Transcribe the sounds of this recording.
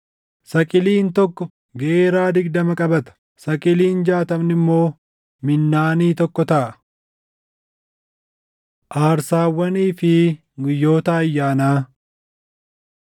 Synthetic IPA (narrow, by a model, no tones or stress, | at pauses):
sɐkʼɪliːnt̪ɔkːɔ | ɡeeːɾaːd̪ɪɡd̪ɐmɐkʼɐbɐt̪ɐ̥ | sɐkʼɪliːnd͡ʒaːt̪ɐmnɪmːo̞ː | mɪnːaːniːt̪ɔkːɔt̪ɐʔɐ | ʔaːɾsaːwːɐniːfɪ | ɡʊjːo̞ːt̪ɐːjːaːnaː